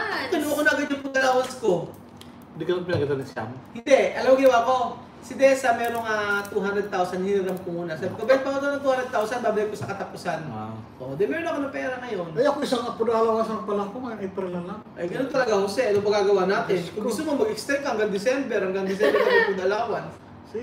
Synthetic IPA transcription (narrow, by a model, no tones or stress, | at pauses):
k̪ʊnʊʔɐkonaɡɐd͡ʒ̪ʊŋpʊd̪ɐlaːwɐnsko̞ | nd̪ikɐnonpɪnɐɡɐd̪ɐnɪsa̰mhɪnd̪ɛʔɐlɐwɐɡɪnɐwako̞ | sɪd̪ɛːsɐmɛːɾoŋat̪uɦanɾɛd̪̚t̪awsɐnhinɾɐmkomuːnɐsaːbɪkobɛn̚pɐkɐt̪onɐt̪uhanɾɛd̪̚t̪awsɐnbaːbɐlɪk̚ːosɐkɐt̪ɐpʊsan | ʔoʔd̪ɛmɛːɾonɐkonɐŋpɛːɾɐŋɐjo̞nɐjɐkoɪsaŋɐpʊd̪awaɪsaŋpɐlɐkoŋɐnɐjpɛɾlɐlaŋʔɐjɡɐnont̪ɐlɐɡahʊsɛʔɛt̪opɐɡaːɡɐwaːnaːt̪ɪnkoɡʊst̪ʊmomɐɡɪkst̪ɛmkohɐŋɡaŋd̪ɪsɛmbɛɾɐŋɡaŋd̪ɪs̬ɛmbɛɾk̪amopʊd̪ɐlaːwɐns